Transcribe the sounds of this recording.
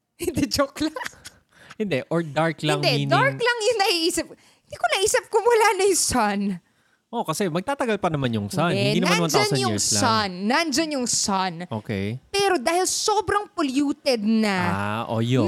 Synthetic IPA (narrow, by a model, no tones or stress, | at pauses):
hɪnd̪ɛd͡ʒoklɐ | hɪnd̪ɛʔoɹd̪aɹklɐŋd̪ɛɪd̪aɹklɐŋjʊŋnɐhiʔiːsɪp̚ | hɪnd̪iːkonɐʔiːsɐp̚kʊwɐlanɐjʊsɐn | ʔo̞kɐsɛmɐɡ̚t̪aːt̪ɐɡalpɐnɐmanjʊŋsanɛhɪd̪inɐamaɐmand͡ʒ̪nsɐjʊ̰ŋsslaanːand͡ʒɐnjʊŋsanʔoːkɛ̰jpɛːɾo̞d̪aːhɪlso̞ːbɾɐŋpoljuːt̪ɛd̪̚nɐʔo̰jo